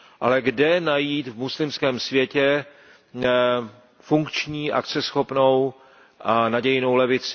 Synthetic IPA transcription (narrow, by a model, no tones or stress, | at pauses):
ʔalɛɡdɛnajiːt̪vmuslɪmskɛːmsvjɛcɛ | fuŋkt͡ʃɲiːʔa̰kt͡sɛsxopno̞w | ʔanaɟɛjɪno̞wlɛvɪt͡sɪ